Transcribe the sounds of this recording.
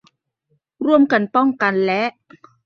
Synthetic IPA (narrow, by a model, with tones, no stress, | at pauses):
ɾu˧˥˩əmka˧npɔ˥˩ŋka˧nlɛ˦˥ʔ